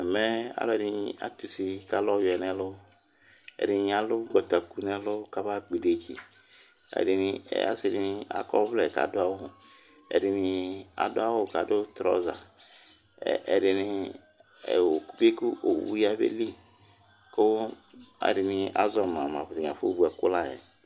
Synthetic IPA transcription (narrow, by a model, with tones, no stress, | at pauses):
ɛ˨mɛ˦a̰˨˦lɛ˨ɾi˨˦˨a̰˨˦tu˨si˨ka˦lɔ˦jɛ˨nɛ˦lʊ˦ | ɛ̰˨ɾi˨˦a˨lʊ˦ɡɔ˨ta˨ku˦˨nɛ˦lʊ˦ka˦ba˦ɡ͡bi˨de˨kʰḭ˨ | ɛ̰˨di˨ni˨ɛ̰˨ja̰˦se˨di˨ni˦a̰˨kɔ˦vlɛ˨ka̰˨dʊ˦a˦wʊ˨ | ɛ̰˨ɾi˨ni˨˧a̰˨dʊ˦a˦wʊ˦˨ka˨dʊ˦tɾɔ̰˦za̰˨ | ɛ˨ɾɪ˨nɪ˨ | ɛ˨wo˨ku˦be˦ku˦ʔo˨wṵ˦ja˦bḛ˦li˦ | kʊ˦ | a̰˨ɾɪ˨ni˨˧a˦zɔ˨m˨a˨ma˨vɾi˨a˨fo˦bu˨ɛ˨kʊ˦la˦˨jɛ̰˨